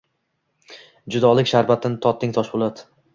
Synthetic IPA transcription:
d͡ʒʊd̪ɒlˠɪkʲʃaɾbat̪ʰɪnɪt̪ʰɒt̪ʰːɪŋt̪ʰɒʃbolˠad̪

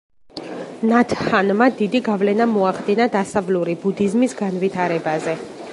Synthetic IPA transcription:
nat̪ʰhanmad̪id̪iɡavlɛnamɔaχd̪inad̪asavluɾibud̪izmisɡanvit̪ʰaɾɛbazɛ

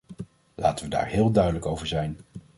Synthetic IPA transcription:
la̰ːtəʋəda̰ːɹɦɪːlˠdœɥdələkowvəɹzɛjn

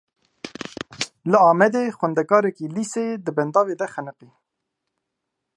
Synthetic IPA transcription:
ləɑːmɛd̪eːxwɛnd̪ɛkɑːɾɛkilised̪əbɛnd̪ɑːved̪ɛxɛnɨqi

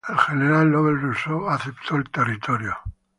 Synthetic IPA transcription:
elxeneɾalːoβelrusoaθept̪ʰoelt̪erit̪ʰoɾjo

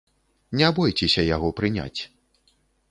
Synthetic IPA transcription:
nʲɛbɔjt͡sʲɛsʲɐjaɣɔpɾɨnʲa̰t͡sʲ

